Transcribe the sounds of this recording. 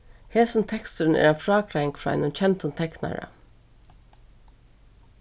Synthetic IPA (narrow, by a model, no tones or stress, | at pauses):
heːsʊnt̪ʰɛkst̪əɾnɛ̰ːɾanfɾɑːkʰɾæjŋkfɾɑːa̰jnʊnt͡ɕʰɛnt̪ʊnt̪ʰɛkna̰ɹa̰